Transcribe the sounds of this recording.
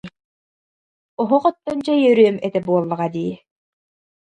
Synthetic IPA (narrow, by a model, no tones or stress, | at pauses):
ɔɦuqɔt̪ːɔnt͡ɕɛjœɾyœmɛt̪ɛbuɔlˠːɐʁad̪iː